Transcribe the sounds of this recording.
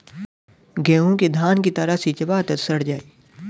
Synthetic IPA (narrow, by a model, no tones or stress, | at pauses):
ɡɛːõked̪ʱaːnkit̪ɐɾasit͡ʃɐbaːt̪əsɐɽ̤d͡ʒaːiː